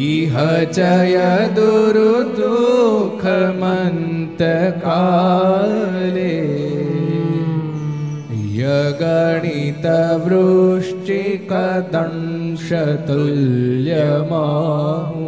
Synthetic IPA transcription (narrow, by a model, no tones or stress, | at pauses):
iɦɐt͡ʃɐjɐd̪uɾud̪ukʰɐmɐnt̪ɐkaː | le | jɐɡɐɳit̪ɐʋɾuʂʈikɐd̪ɐɳʂɐt̪ɐljɐma